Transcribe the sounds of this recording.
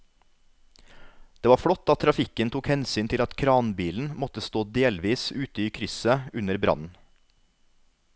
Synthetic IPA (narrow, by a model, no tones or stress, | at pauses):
d̪̥eːʋɑːfɽɔt̪ːɑt̪ʰɾɑfɪkənt̪ʰuːkhɛnsyːnt̪ʰɪlɑt̪kʰɾɑːnbiːln̩mɔt̪əst̪oːd̪eːlʋiːsʉːt̪əiːkʰɾʏsəʉnəɾbɾʔɑ̰nn̩